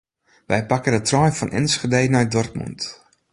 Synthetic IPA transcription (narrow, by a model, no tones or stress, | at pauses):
ʋɛjpakədətrɔjfɔnʔɛ̰nsχədejnɔj̚dɔrt̚mṵnt